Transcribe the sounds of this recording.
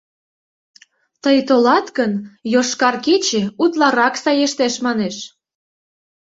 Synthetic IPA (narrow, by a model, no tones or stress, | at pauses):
t̪əjt̪olɑt̪kənjoʃkɑrket͡ɕeut̪lɑɾɑksɑjeʃt̪eʃmɑneʃ